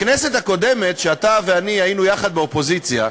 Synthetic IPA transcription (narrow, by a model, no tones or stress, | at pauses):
kneset̪hako̞d̪emet̪ʃeat̪aveaniajinujaχad̪̚beopo̞zit͡sja̰